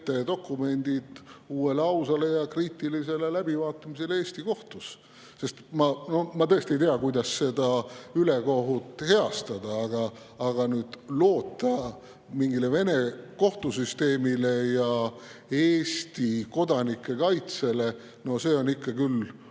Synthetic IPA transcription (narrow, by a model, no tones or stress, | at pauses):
t̪ːed̪o̞kːˑume̞nʲd̪̥id̪̥uːe̞lɑwsɑle̞jɑkriːt̪ːˑilise̞le̞læb̥ivɑːt̪ːˑɑmise̞le̞ːst̪iko̞ht̪us | se̞st̪mɑno̞mɑt̪ɤ̞est̪ie̞jt̪eɑkujd̪̥ɑsse̞d̪ɑyleko̞ɦut̪ːˑhe̞ɑst̪ɑd̪̥ɑɑɡɑː | ɡ̥ɑnyːd̪̥lo̞ːt̪ːˑɑ | miŋɡile̞ve̞ne̞ko̞ht̪usyst̪e̞ːmile̞jɑ | eːst̪iko̞d̪ɑnikːˑe̞kɑjt̪se̞le̞ | no̞se̞ːo̞nikːɑkyl